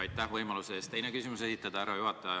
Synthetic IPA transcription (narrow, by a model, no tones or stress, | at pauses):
ɑjt̪ːˑæhvɤjmɑluseest̪e̞jnekysimuse̞sit̪ːˑɑd̪̥ɑæɾɑjuɦɑt̪ˑːɑɑ